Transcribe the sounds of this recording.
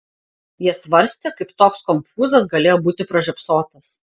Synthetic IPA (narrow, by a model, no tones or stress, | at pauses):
jɪsʋɐɾʲsʲt̪ʲekɐɪpt̪oːkskɔmʲfuːzɐsɡɐlʲeːjoːbuːt̪ʲɪpɾɐʒʲɛpsoːt̪ɐs